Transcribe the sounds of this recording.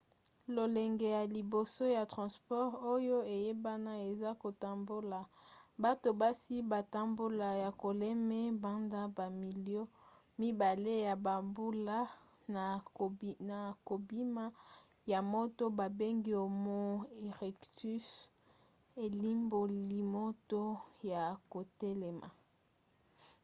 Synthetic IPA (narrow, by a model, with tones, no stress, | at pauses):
lo˨lɛ˨ŋɡe˨ja˨li˨bo˨so˦ja˨tʁã˨spɔ˦ʁo˦jo˦e˨je˦ba˦na˦e˨za˦ko˨ta˨mbo˦la˨ba˦to˨ba˦si˦ba˨ta˦mbo˦la˨ja˨ko˨lɛ˦mɛ˦ba˦nda˦ba˨mi˨ljo˦ | mi˦ba˨le˦ja˨ba˨mbu˦la˦ | na˨ | na˨ko˨bi˦ma˦ | ja˨mo˦to˦ba˨be˦ŋɡi˦o˨mo˦e˨ʁɛ˨kty˦s | e˨li˦mbo˨li˨mo˦to˦ja˨ko˨tɛ˦lɛ˨ma̰˨